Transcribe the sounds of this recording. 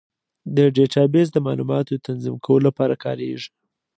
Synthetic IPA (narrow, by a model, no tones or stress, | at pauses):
d̪əɖeʈɑbez̬d̪əmɑlumɑt̪oət̪anzimkʰawəlolapɑɾakʰɑ̰ɾḛʐi